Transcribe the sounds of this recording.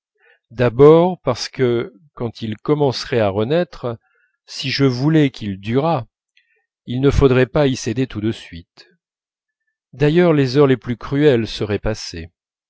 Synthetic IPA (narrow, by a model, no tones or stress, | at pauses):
d̪abɔʁpaʁsə̥kə | kɑ̃t̪ʰilkɔmɑ̃sʁɛaʁənɛt̪χ | siʒəvulɛkʰʲild̪yʁa | ilnəfod̪ʁɛpaised̪et̪ud̪əsɥit̪ | d̪ajœʁlezœʁleplykχyɛlsəʁɛpase